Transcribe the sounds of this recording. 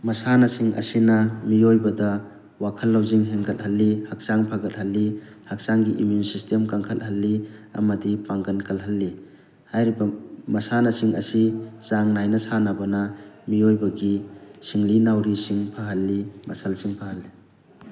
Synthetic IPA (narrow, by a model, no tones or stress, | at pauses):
mɐsanɐsiŋɐ̰sinɐmiojbɐdɐ | wakʰɐlːawziŋɦeŋɡɐt̚halːihak̚saŋpʰaɡɐt̚hɐlːi | hak̚saŋɡiʔimjunsistemkaŋkʰɐt̚hɐlːiɐ̰mɐdipaŋɡɐnkʰɐlɦɐlːi | hajɾibɐmɐsanɐsiŋɐ̰sisaŋnajnɐsanabɐnɐmiojbɐɡisiŋlinawɾisiŋpʰaɦɐlːimɐsalsiŋpʰahɐlːi